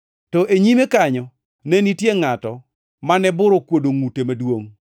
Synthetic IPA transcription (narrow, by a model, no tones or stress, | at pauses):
tɔʔeɲimekaɲɔ | nɛnitjeŋatɔ | manɛbʊɾɔkwodoŋutemadwoŋ